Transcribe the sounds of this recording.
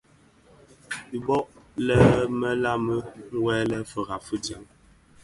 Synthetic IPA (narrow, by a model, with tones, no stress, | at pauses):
i˨bɔ˦ʔlɛ˦mə˦la˦mə˦ŋ̩˦wɛ˦lɛ˦fə˨ɣa˨fə˦dja˨˦ŋ